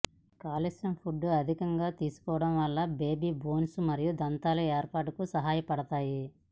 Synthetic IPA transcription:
kaːlesjɐmpʰuɖːuɐd̪ʱikɐŋɡaːt̪iːsu̥kɔːʋɐɽɐmʋɐlːɐbeːbiːbo̞ːnsumɐɾijud̪ɐnt̪aːlueːɾpaːʈukusɐɦaːjɐpɐɽɐt̪aːji

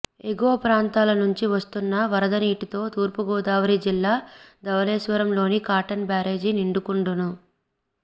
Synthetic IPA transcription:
eɡoɐpɾaːnt̪aːlɐnuɲt͡ʃiʋɐst̪unːɐʋɐɾɐd̪ɐniːʈit̪o̞ːt̪uːɾpuɡɔːd̪aːʋɐɾid͡ʒilːaːd̪ɐʋɐlɛːʃʋɐɾɐmlo̞ːnikaːɾʈɐnbaːɾe̞ːd͡ʒiniɳɖukuɳɖunu

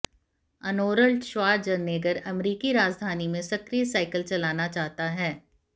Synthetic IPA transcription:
ɐnoːɾəlʈʃʋaːɾd͡ʒɐɾneːɡəɾɐmɾiːkiɾaːd͡ʒd̪ʱaːnimẽsɐkɾiːəsaːɪkəlt͡ʃɐlaːnat͡ʃaːɦt̪aɦɛː

